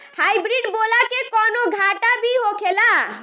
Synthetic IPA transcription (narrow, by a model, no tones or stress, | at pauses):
hajbɾiɖbolakekɔnoɡʱaʈabʱiɦokʰela